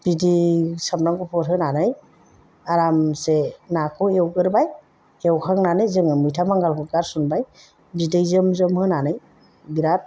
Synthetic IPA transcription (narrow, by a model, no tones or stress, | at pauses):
b̥idisamnaŋɡupʰɔɾɦɯnanɯj | aɾamsenakʰɯewɡɯɾbaj | ewkʰaŋnanɯjzɯŋɯmɯjtʰamaŋɡalkʰɯɡaɾsunbaj | bidijzɯmzɯmhɯnanɯj | biɾat̚